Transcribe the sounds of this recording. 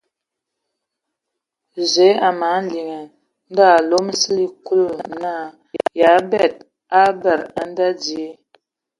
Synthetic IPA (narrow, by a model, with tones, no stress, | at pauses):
ze˨˦a˨ma˨˦n˦li˨ŋə˨ | n̩˦da˦˨lo˦m˦si˦li˦ku˦lo˦˨na˦ | ja˨˦bɛ˦˨t̚ | a˦bɛ˨ɾa˨n˦da˦di˨e˦